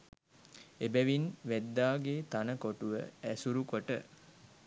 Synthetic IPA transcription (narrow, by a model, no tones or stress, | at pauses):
ebæʋinʋæd̪ːaːɡeːt̪anəkoʈuʋə̰æsuɾukoʈə̰